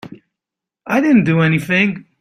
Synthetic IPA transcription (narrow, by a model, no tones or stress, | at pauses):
aɪdɪdⁿn̩d̥ɨɛniθɪ̃ŋ